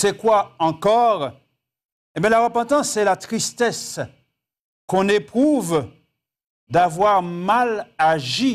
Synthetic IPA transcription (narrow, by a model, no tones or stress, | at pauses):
sɛkwaɑ̃kɔʁ | ebjɛ̃laʁəpɑ̃t̪ɑ̃sɛlat̪χist̪ɛs | kɔ̃nepχuv | d̪avwaʁmalaʒi